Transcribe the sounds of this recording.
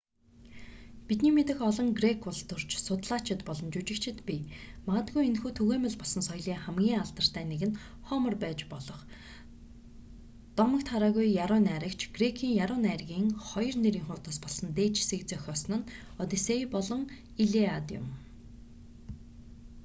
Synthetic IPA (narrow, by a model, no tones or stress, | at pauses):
pit̪niːmet̪ɘ̆xɔɮɞ̆ŋɡrekʰʊɮt̪ʊr̥t͡ɕsʊt̪ɮaːt͡ɕʰɪ̆t̪pɔɮɞ̆mt͡ɕut͡ɕɪ̆kt͡ɕʰɪ̆t̪pʲimaʁə̆t̪ɡujenxuːt̪ʰɵɣeːmʲə̆ɮpɔɮsɞ̆nsɔjɮiːŋχæmɡʲiːŋaɮt̪ə̆r̥t̪ʰæːneɣɘ̆n | χɔːmə̆rpæːt͡ɕpɔɮɞ̆χ | t̪ɔmə̆kt̪ʰχaɾaːɣujjaɾʊːnæːɾə̆kt͡ɕʰɡrekʰiːŋjaɾʊːnæːrɣʲiːŋχɔjɞ̆rneɾiːŋχʊrt̪ə̆spɔɮsɞ̆nt̪eːt͡ɕʰsĕkt͡seːœxʲɔːsnə̆n | ɔt̪eseipɔɮɞ̆ŋ | iɮeat̪jʊ̰m